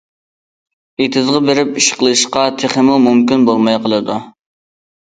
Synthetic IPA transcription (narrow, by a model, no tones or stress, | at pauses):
et̪ʰɪzʁɑbeɾɪpiʃqlˠɨʃqɑt̪ʰeχəmumumkʲinbolˠmɑjqʰəlˠɨd̪u